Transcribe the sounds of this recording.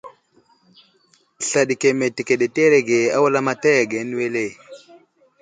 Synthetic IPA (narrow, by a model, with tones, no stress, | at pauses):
ɬa˨ɗi˨ke˨me˨te˨ke˨ɗe˨te˦ɾe˨ɡe˨a˦wa˦la˦ma˦ta˦ja˨ɡe˨˦n˦we˦le˦˨